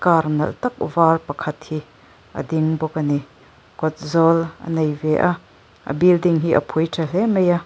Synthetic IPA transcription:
kaɾnɐ̰lt̪ɐk̚vaːrpɐkʰɐt̪̚hi | ʔə̰d̪iŋbɔkəni | kɔt̪̚zɔlʔə̰nejvɛʔaʔ | ʔə̰bildiŋɦiʔə̰pʰujtʰɛlɛmeja

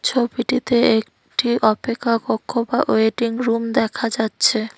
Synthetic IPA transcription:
t͡ɕʰobiʈit̪eek | ʈiʔɔpekʰːakokʰːobaʔoeʈiŋɾumd̪ɛkʰad͡ʑatːɕʰe

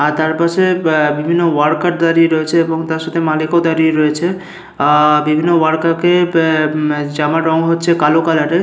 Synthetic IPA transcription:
aɾt̪aɾpasebibʱinːowaɽkaʈd̪aɾiɾɔet͡ʃʰeːboŋt̪aɾʃat̪ʰemalikod̪aɾieɾɔet͡ʃʰe | bibʱinːowaɽkake | d͡ʒamaɖɔŋɦotːt͡ʃʰekalokalaʈe

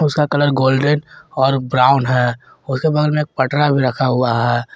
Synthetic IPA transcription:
ʊskakɐləɾɡoːlɖənɔːɾbɾaːʊnɦɛː | ʊskebɐɡlmẽeːk̚pɐʈɾabʱiɾɐkʰaɦʊaɦɛː

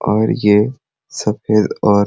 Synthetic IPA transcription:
ɔːɾje | sɐfeːd̪ɔːɾ

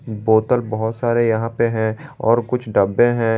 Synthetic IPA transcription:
boːt̪əlbɐɦʊt̪saːɾejɐɦãpeɦɛ̃ɔːɾkʊt͡ʃʰɖɐbːẽɦɛ̃

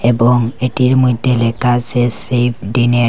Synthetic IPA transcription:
ɛbɔŋetiɹmɔjdʱelɛkazɛsep̚ʰdine

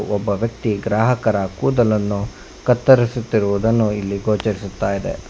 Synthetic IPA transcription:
ʔɔbːɐʋjɐk̚t̪iɡɾaːɦɐkɐɾɐkuːd̪ɐlɐnːu | kɐt̪ːɐɾisut̪ːiɾuʋud̪ɐnːuilːiɡoːt͡ʃɐɾisut̪ːaːjid̪ḛ

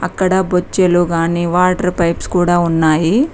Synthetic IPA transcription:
ɐ̰kːɐɽɐbot͡ʃːɐluɡaːniːʋaːʈɐɾpɐjpskuːɽaːunːaːji

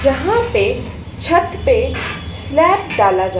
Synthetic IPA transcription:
d͡ʒɐɦãpe | t͡ʃʰət̪pes | lɛːpɖaːlad͡ʒa

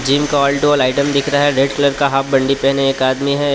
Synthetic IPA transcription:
d͡ʒiːmkaɔːlʈolaːɪʈəmd̪ɪkʰɾaɦɛɾeːɖkləɾkaɦap̚bɐ̃ɳɖipɛɦneeːkaːd̪miɦɛ

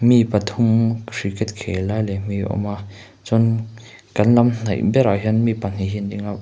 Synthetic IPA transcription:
mipat̪ʰumkɾikɛt̪̚kʰelajlɛm̥iʔɔ̰ma | t͡sɔn | kanlamn̥ajʔbɛɾaɦɛnmipan̥iɦindiŋa

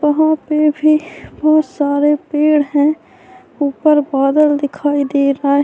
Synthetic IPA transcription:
ʋəɦãpebʱibɔɦt̪saːɾepeːɽɦɛ̃ | uːpəɾbaːd̪əld̪ɪkʰaːid̪eːɾaːe

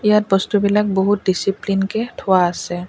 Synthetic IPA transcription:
ijat̚bɔst̪ubilak̚bɔɦut̚disiplinkɛtʰʊwaːsɛ

